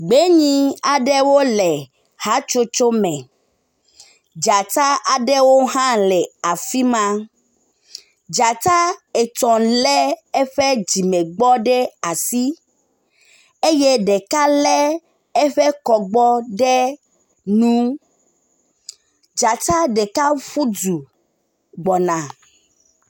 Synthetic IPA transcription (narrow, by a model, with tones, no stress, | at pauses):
ɡ͡be˦ɲĩ˦a˨ɖɛ˦wo˦lɛ˨ | ha˦t͡ʃo˦t͡ʃo˦mɛ̃˨ | d͡ʒa˨t̪a˦ʔa˨ɖe˦wo˦ɦã˦lɛ˨a˨fi˦mã˦ | d͡ʒa˨t̪a˦e˨t̪ɔ̃˨lɛ˦e˦ɸe˦d͡ʑi˨me˨ɡ͡bɔ˦ɖe˦a˨si˦ | e˦je˦ɖe˨ka˦lɛ˦ | e˦ɸe˦kɔ˨ɡ͡bɔ˦ɖe˦ | nũ˦ | d͡ʒa˨t̪a˦ɖe˨ka˦ɸu˦d͡ʒu˨ | ɡ͡bɔ˨nã˨